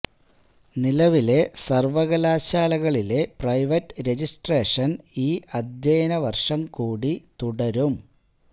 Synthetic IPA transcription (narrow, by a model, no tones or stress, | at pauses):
nilɐʋile̞sɐrʋɐɣɐlaːɕaːlɐɣɐɭile̞prɐjʋɐtːɾe̞d͡ʑisʈre̞ːʂɐniːʔɐd̪ʱjeːnɐʋɐrʂɐmkuːɽit̪uɽɐɾum